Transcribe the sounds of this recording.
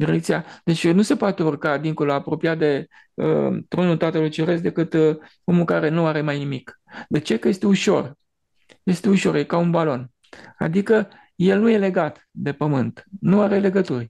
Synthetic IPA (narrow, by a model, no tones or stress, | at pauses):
d̪iɾekt̪sijad̪̥e̞t͡ʃʲnuse̞poat̪e̞urkad̪iŋko̞loapɾo̞pijat̪̚d̪e̞ | ə̰t̪ɾo̞nult̪at̪əlujt͡ʃeɾesd̪e̞kɨt̪ | o̞mukaɾe̞nuaɾe̞majnimik | d̪e̞t͡ʃe̞kəje̞st̪e̞uʃo̞̰r | je̞st̪e̞uʃo̞rjekaunbalo̞n | a̰d̪ikə | je̞lnuje̞le̞ɡat̪ | d̪e̞pəmɨnt̪nuaɾe̞le̞ɡət̪urʲ